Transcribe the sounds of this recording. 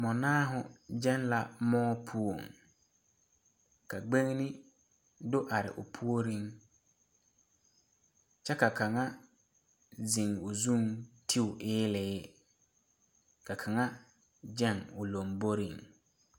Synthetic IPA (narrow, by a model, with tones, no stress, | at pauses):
mɔ˨naː˦ɦʊ˨d͡ʒɛ˦nla˨mɔː˦pʰu˦o˨ŋ | ka˨ɡ͡be˦ŋnɪ˦ | dʊ˦ʔa˨ɾɪ̰˨ʔʊ̰˨pʰu˦o˦ɾi˦ŋ | t͡ʃɛ˦ka˨ka˨ŋa˦ | zɪ˨ŋʊ˨zu˦ŋtʰi˦ʊ˨ʔɪː˦lɪ˨˦ | ka˨kʰa˨ŋa˦ | d͡ʒɛ˦˨ŋʊ˨lo˨mbo˦ɾḭ˨ŋ